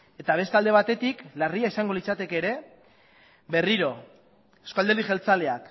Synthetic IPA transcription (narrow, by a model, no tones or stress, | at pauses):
e̞t̪aβ̞e̞st̪ald̪e̞βat̪e̞t̪iklariaisaŋɡo̞lit͡sat̪e̞ke̞ːɾe̞ | be̞riɾo̞ | eskald̪eɾiʝe̞lt͡sale̞ak